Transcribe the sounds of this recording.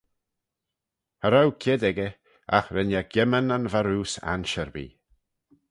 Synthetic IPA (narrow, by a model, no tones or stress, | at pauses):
həɾawkʰɛd̪ɛɡə | a̰xɾɛnjaɡjɛmənənvaɾuːsa̰nʃəɾbḭː